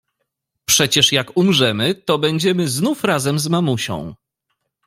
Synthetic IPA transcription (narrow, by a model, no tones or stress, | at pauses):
pʂɛt͡ɕɛʂjakumʐɛmɘt̪ɔbɛɲd͡ʑɛmɘznufɾazɛmzmamuɕɔ̰̃w̃